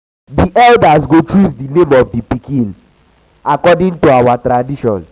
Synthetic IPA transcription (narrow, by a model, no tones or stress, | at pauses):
diʔɛldas̬ɡotɹusdinẽmɔvdipikĩn | akɔdĩŋtoawatɾadiʃɔ̰̃n